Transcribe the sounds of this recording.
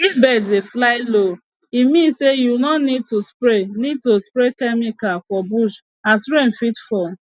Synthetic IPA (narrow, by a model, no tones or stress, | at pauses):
ibɛdeflaɪlo | imĩsejunɔ̃nid̚tospɾenid̚tospɾekɛmikalfɔbuʃ | asɾen̩fitfɔ